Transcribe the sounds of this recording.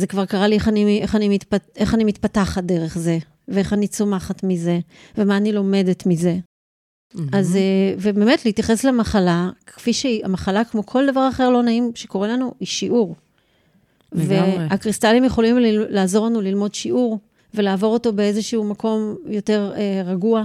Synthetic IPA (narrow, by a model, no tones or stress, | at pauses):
zekvaʁkaʁalieχaniʔe̞χanimitpeχanimitpataχat̚de̞ʁe̞χze̞ | veeχanit͡somaχatmize̞ | vemaːnilo̞me̞detmize̞ | azevebeme̞tlihitjaχe̞slemaχalakfiʃeiamaχalakmo̞kʰo̞ldavaʁaχe̞ʁlo̞naimʃe̞ko̞ʁelanuiʃiʔuʁ | veakʁist̪alimjeχo̞limlilaːzo̞ʁlanulilmo̞dʃiʔuʁ | ve̞laːvo̞ʁo̞to̞be̞ezeʃuumakʰo̞mjo̞te̞ʁeʁaɡua